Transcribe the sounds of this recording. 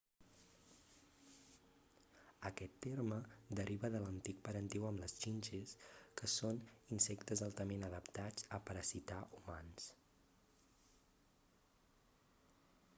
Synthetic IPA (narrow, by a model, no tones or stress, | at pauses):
əkɛt̪ːeɾməd̪əɾʔiβəðələnt̪ik̚pəɾənt̪ɛwəmləzt͡ʃinʲʒeskəsoninsɛkt̪əzalˠt̪əmenəðəpt̪ad͡zəpəɾəsit̪aʔumans